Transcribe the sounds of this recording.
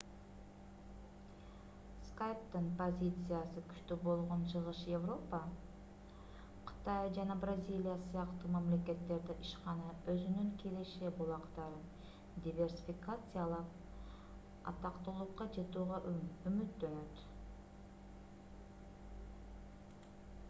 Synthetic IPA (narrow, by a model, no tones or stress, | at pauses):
skajp̚t̪ɨnpozʲit̪sɨjasɯky̥ʃt̪øbo̞lˠʁo̞nt͡ʃʰɯʁɯʃjevro̞pə | qʰɯ̥t̪ajd͡ʒɑnɑbrazʲilʲijasɯjɑqt̪umamle̞ke̞t̪ːe̞ɾd̪iʔiʃqɑnɑø̞zynyŋkʰeleʃebulˠɑqt̪ɑɾɯn | dʲivʲe̞rsʲifʲikat̪sɨjalˠɑq | ɑ̰t̪ɑqt̪olˠuqɑd͡ʒɯt̪uːʁɑymyt̪ːø̞nøt̪